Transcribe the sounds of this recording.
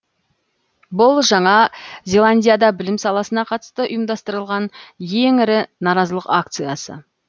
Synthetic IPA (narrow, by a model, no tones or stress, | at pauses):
bʊlˠʒɑɴɑzʲe̞lˠanʲdʲijad̪ɑbɪlɪmsɑlˠɑsənɑqʰɑt̪ə̥st̪əʔʊjəmd̪ɑst̪əɾəlˠʁɑnje̞ŋɪɾɪnɑɾɑzəlˠəqak̚t̪sɨjasə̰